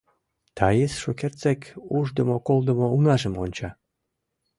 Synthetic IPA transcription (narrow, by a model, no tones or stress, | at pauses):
t̪ʰɑjesʃokert͡sekuʒd̪əmokolˠd̪ə̆mounɑʒə̆monʲt͡ɕɑ